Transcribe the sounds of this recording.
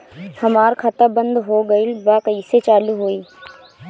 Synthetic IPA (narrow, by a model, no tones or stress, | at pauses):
hɐmaːɾkʰɐt̪əbə̃nd̪ɦoːɡəilbaːkəiːset͡ʃaːluɦoːiː